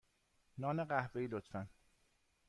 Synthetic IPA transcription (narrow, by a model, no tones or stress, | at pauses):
nɒːneɢæhveiːlot̪fæn